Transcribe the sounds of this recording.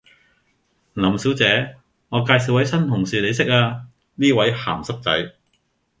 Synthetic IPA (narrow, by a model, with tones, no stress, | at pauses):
lɐ˨˩msi˨˥wt͡sɛː˨˥ | ŋɔː˨˧kaː˧jsi˨˥wɐ˨˥jsɐ˥nt̪ʰʊ˨˩ŋsiː˨le˨˧js̬ɪ˥k̚aː˧ | niː˥wɐ˨˥jha̰ː˨˩msɐ˥k̚t͡sɐ̰˨˥j